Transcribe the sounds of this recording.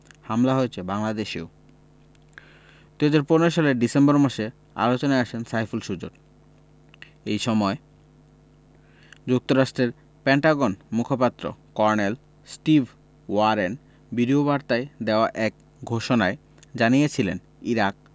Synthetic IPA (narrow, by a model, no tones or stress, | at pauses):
hamlaɦoet͡ɕʰebaŋlad̪eʃḛo | d̪uɦad͡ʑaɾponoɾoʃaleɾɖisembɔɾmaʃe | a̰lot͡ɕonaeaʃʰensajfulʃud͡ʑo̰ɾ | ejʃɔmɔe | d͡ʑuk̚t̪oɾaʃʈɾeɾ | peɳʈaɡonmukʰopat̪ːɾo̰kɔɾnel | sʈibʱ | waɾen | biɾiobaɾt̪aed̪eoaʔɛk̚ | ɡʱoʃonae | d͡ʑanijet͡ɕʰilḛn | iɾak̚